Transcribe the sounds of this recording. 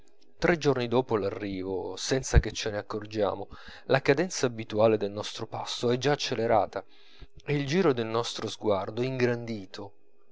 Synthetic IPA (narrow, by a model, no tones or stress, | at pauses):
t̪ɾʔed͡ʒornid̪oːpolarːiːvosɛnt̪sak̟et͡ʃːeneakːord͡ʒa̰ːmolakad̪ɛnt̪saːbit̪uaːled̪elnɔst̪ɾopasːoɛd͡ʒːaːt͡ʃːeleɾaːt̪a | eild͡ʒiːɾod̪elnɔst̪ɾozɡward̪oiŋɡɾand̪iːt̪ʰo